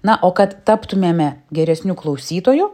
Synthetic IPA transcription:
nɐʔoːkɐt̪t̪ɑːpt̪ʊmʲeːmʲɛɡʲɛɾʲɛsʲnʲuːklˠɐʊsʲiːt̪oːjʊ

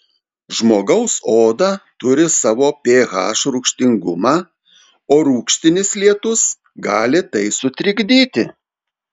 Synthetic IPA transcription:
ʒmoːɡɐʊsoːd̪ɑt̪ʊɾʲɪsɑːʋoːpʲeːɣɑ̰ːʃɾʊkʃʲt̪ʲɪŋɡʊmɑː | oːɾuːkʃʲt̪ʲɪnʲɪslʲiɛt̪ʊs | ɡɑːlʲɪt̪ɐɪsʊt̪ʲɾʲɪɡʲd̪ʲiːt̪ʲɪ

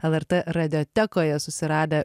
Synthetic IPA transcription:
ɛlˠɛɾt̪eːɾɐd̪ʲoːt̪ʲɛkoːjɛsʊsʲɪɾɑːd̪ʲɐ

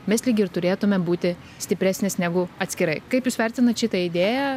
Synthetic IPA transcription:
mʲɛslʲiːɡʲɪɾt̪ʊɾʲeːt̪ʊmʲɛbuːt̪ʲɪ | sʲt̪ʲɪpʲɾʲæːsʲnʲesnʲæːɡʊɐt̪ʲsʲkʲɪɾɐɪkɐɪpjuːsʋʲɛɾʲt̪ʲɪnɐt̪ʃʲɪt̪ɐɪd̪ʲeːjɛ

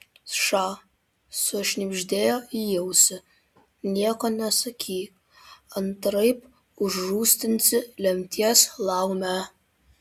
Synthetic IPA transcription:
ʂaː | soʃnʲɪbʒʲd̪ʲeːjoijɛwsɪ | nʲiɛkɐnʲɛsɐkʲʰiː | ɐntrɐjp | ʊʒːuːst̪ʲɪnʲt͡sɪlʲɛmʲt̪ʰʲiɛslˠawmʲæ

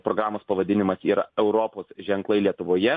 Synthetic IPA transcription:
pɾoːɡɾaːmoːspɐʋɐd̪ʲɪnʲɪmɐsiːɾɐ̰ɛʊɾoːpoːsʒʲɛŋklˠɐɪlʲiɛt̪ʊʋoːjɛ

